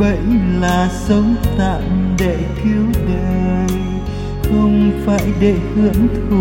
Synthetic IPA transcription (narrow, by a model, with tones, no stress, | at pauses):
və̰˧˨jlaː˨˩sə˨˦wŋ͡mt̪a̰ː˧˨mɗe˧˩t̪ʰi˨˦əwɣe˨˩ | xə˧wŋ͡mfaː˧˩jɗe˧˨hɨ̰˧˨ənt̪ʰɨ˨˩